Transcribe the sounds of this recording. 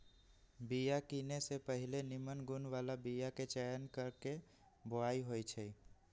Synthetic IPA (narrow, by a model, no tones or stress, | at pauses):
bijakinesepəɦilenimənɡunʋalabijaket͡ʃɛjənkəɾke | boaiɦojt͡ʃʰɛ